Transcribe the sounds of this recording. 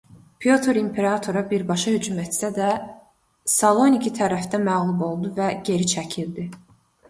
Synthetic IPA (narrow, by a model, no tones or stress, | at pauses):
pʰjo̞t̪ʰoɾimpʰe̞ɾɑt̪ʰoɾɑbiɾbɑʃɑhyd͡ʒumet̪sæd̪æ | sɑlˠo̞nicʰit̪ʰæɾæfd̪æmæɣlˠubo̞lˠd̪uvæɟe̞ɾit͡ʃʰæcʰild̪i